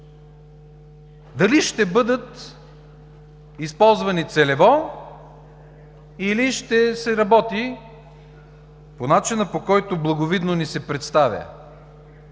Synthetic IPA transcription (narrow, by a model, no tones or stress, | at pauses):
d̪ɐliʃt̪ɛbɤd̪ət̪ | ispɔlˠzvɐnit̪sɛlɛvɔ | iliʃt̪ɛsɛɾɐbɔt̪i | ponat͡ʃinəpokɔjt̪ʊblˠɐɡovid̪nonisɛpɾɛt̪st̪avʲjə̰